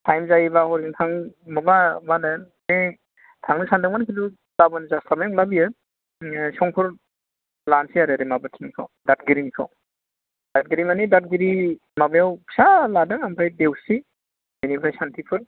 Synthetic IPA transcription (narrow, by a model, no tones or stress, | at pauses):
tʰajmzajbahɔɾiŋtʰaŋmɔbamana | e | tʰaŋnisʰandɯŋmankʰidu | labanizastamajawlabijɯ | sɔŋpʰɯɾ | lansiaɾeɾemabɯtʰiŋnikʰa̰wdat̚ɡiɾinikʰa̰w | d̥at̚ɡiɾimanidat̚ɡiɾi | mabajawsaladaŋampʰajdewsi | menipʰajsantʰipʰɯɾ